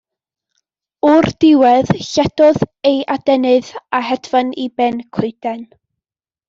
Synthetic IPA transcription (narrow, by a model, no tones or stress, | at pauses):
ɔrd̥ɪwɛð̥ɬɛd̥ɔðejʔadɛnɨðaɦɛdvanibɛnkʰʊjd̥ɛn